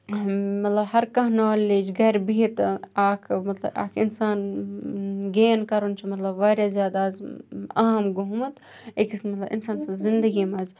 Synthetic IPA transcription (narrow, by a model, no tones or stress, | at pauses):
mɐt̪lɐbhɐɾkɐɦnaːleːd͡ʒɡɐɾbit̪aːkʰmɐt̪lɐ̰ba̰ːkʰɪnsaːn | ɡeːnkɐɾunt͡ʃʰimɐt̪lɐbʋaːɾjazjaːd̪aːzɐ̰ɦɐmɡoɦmɐt̪ | ekismɐt̪lɐbḭnsaːnsɐ̃zɪnd̪əɡimɐz